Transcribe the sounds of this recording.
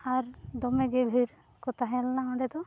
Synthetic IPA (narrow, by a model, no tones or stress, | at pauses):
aɾd̪ɔmeɡebʱiɽ | kɔt̪aɦɛ̃lnaɔɖɛd̪ɔ